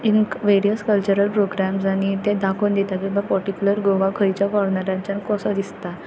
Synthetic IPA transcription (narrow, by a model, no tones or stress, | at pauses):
iŋkʋeɾijəskəlt͡ɕuɾəlpɾoɡɾamsaɽ̃it̪ẽd̪akʰond̪it̪ak̬ĩʋapəɾʈikʲjuləɾɡoʋakʰəɾit͡ɕjakɔɽɳəɾjãɲt͡ɕjankɔsad̪ist̪a